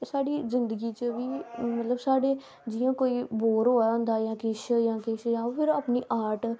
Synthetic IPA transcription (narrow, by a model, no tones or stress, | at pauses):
saːɽiːzɪnd̪əɡiːt͡ʃəʋiːmət̪ləbsaːɖeː | d͡ʒɪjãːkoːiːboːɾɦoːãːnd̪aːjãːkɪʃjãːkɪʃjãːoːpʰɪɾaːpniːʔaːɾʈ